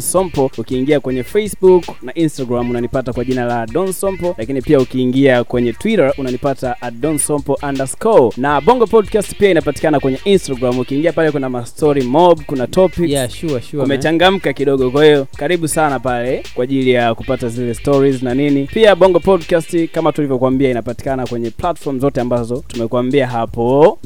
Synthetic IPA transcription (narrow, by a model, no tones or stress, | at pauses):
sɔmpɔukiːŋɡiakwɛɲɛfesbuknaʔinstaɡɾamunanipatakwaʄinalaɗɔnsɔmpɔlakinipiaukiːŋɡiakwɛɲɛtwiɾaʔunanipataaɗɔnsɔmpɔʔandaskɔnaɓɔŋɡɔpɔdkasti̥piainapati̥kanakwɛɲɛʔinstaɡɾamukiːŋɡiapalɛkɛndamastɔɾimɔɓkunatʰɔpikʃkumɛt͡ʃaŋɡam̩kakiɗɔɠɔkwahijɔkaɾiɓusanapalɛkwaːʄilijakupatazilɛstɔɾiznaninipiaɓɔŋɡɔpɔdkastikamatulivjɔkwambiainapati̥kanakwɛɲɛplatfɔm̩zɔtɛambazɔtumɛkuwambiaɦapɔ